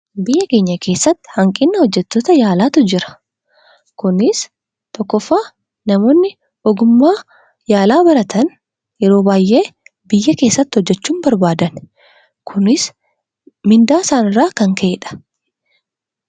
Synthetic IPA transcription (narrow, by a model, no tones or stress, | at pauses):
bɪjːɐke̞ːɲːɐke̞ːsːɐt̪ːɪ̥hɐŋkʼɪnːɐhɔd͡ʒːɛt̪ːoːt̪ɐjaːlaːt̪ʊd͡ʒɪɾɐ̥ | kʊnɪs | t̪ɔkːɔfːaː | nɐmo̞ːnːɪ | ʔɔɡʊmːaː | jaːlaːbɐɾɐt̪ɐn | jɛɾo̞ːbaːjʔe̞ːbɪjːɐke̞ːsːɐt̪ːɪhɔd͡ʒːɛt͡ʃːuːmbɐɾbaːd̪ɐn | kʰʊnɪs | mɪnd̪aːsaːnɪrːaːkɐŋkʰeːᶑɐ̥